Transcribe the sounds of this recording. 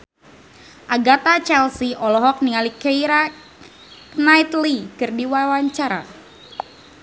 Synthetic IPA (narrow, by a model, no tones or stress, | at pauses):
ʔaɡat̪at͡ʃɛlsiʔɔlɔɦɔk̚niŋalikeiɾa | nait̪likɨrdiwawaɲt͡ʃaɾa̰